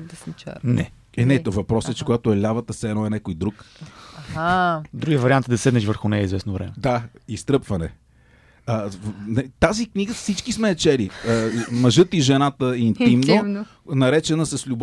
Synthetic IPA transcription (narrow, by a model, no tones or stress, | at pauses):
d̪ɛsnit͡ʃa̰nɛ̰ | ɛnɛt̪ɔvɐpɾɔsət͡ʃɛ̥koɡat̪ʊɛlʲavət̪əsɛɛnɔɛnɛkojd̪ɾuk | ad̪ɾuɡiəvɐɾiant̪d̪ɐsɛd̪nɛʃvəɾxʊnɛjəizvɛsnovɾɛ̰mɛd̪aist̪ɾɤpvɐnɛ | ənɐit̪azikniɡəfsit͡ʃkismɛːt͡ʃɛliəmɐʒɤt̪iʒɛnat̪əint̪imno | nɐɾɛt͡ʃɛnəsɐslʲub